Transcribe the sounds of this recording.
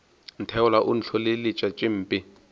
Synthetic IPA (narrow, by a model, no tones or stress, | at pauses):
n̩tʰɛʊlaʔʊn̩ɬʰɔlɪlɪt͡ʃʼat͡ʃʼɪm̩ːpʼɪ